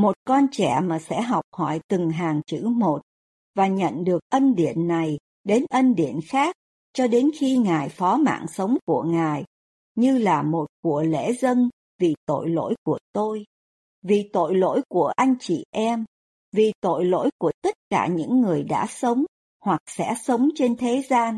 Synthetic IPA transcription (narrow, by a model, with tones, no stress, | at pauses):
mo˨˩t̚kɔ˧nt͡ɕɛ˧˩maː˨˩sɛ̰˧˥ɦa˨˩wk͡p̚hɔ˧˩jt̪ɨ˨˩ŋɦaː˨˩ŋt͡ɕɨ̰˧˥mo˨˩t̚ | vaː˨˩ɲə̰˧˨nɗɨ˨˩ək̚ʔə˧nɗḭ˧˨ənːa˨˩j | ɗe˨˦nʔə˧nɗḭ˧˨ənxaː˦˥k̚ | t͡ɕɔ˧ɗe˨˦nxi˧ŋaː˨˩jfɔ˨˦ma̰ː˧˨ŋsə˨˦wŋ͡mku˧˩əŋaː˨˩j | ɲɨ˧laː˨˩mo˨˩t̚ku˧˩əlḛ˧˥zə˧n | vi˨˩t̪o̰˧˨jlo̰˧˥jku˧˩ət̪o˧j | vi˨˩t̪o̰˧˨jlo̰˧˥jku˧˩əʔa˧jŋ̟t͡ɕḭ˧˨ʔɛ˧m | vi˨˩t̪o̰˧˨jlo̰˧˥jku˧˩ət̪ə˦˥t̚kaː˧˩ɲɨ̰˧˥ŋːɨ˨˩əjɗa̰ː˧˥sə˨˦wŋ͡m | hwa˨˩k̚sɛ̰˧˥sə˨˦wŋ͡mt͡ɕe˧nt̪ʰe˨˦zaː˧n